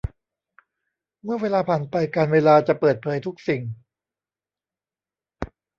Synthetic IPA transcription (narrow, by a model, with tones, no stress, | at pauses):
mɯ˥˩ɐweː˧laː˧pʰaː˨˩npa˧jkaː˧nweː˧laː˧t͡ɕa˨˩pɤː˨˩t̪̚pʰɤː˩˦jt̪ʰu˦˥k̚si˨˩ŋ